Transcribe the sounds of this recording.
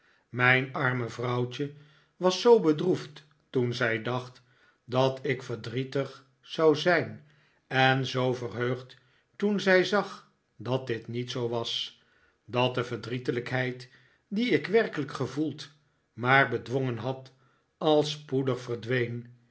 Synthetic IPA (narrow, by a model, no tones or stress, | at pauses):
mɛjnɑɹməvrɑwt͡ʃə | ʋɑsowbədruft | tunzɛjdɑχt | dɑtʰɪkfəɹdritəχ | sɑwzɛjn | ɛnzowvərɦøɥχt | tunzɛjzɑχ | dɑt̚dɪtnitsowʋɑs | dɑt̚dəvəɹdritələkɦɛjt | diɪkʋɛɹkələkχəvulˠt | maːɹbədʋoŋənɦɑt | ɑlˠspudəχfərdʋejn